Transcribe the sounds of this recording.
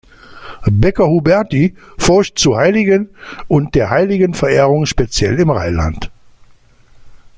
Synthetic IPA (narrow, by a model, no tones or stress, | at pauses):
bɛkɐhubɛɐtifɔɐʃtt͡suɐhaɪlɪɡənʊnt̚d̥eːɐɦaɪlɪɡənfɛɐʔeːʁʊŋʃpet͡sjɛ̰lɪmʁa̰ɪla̰nt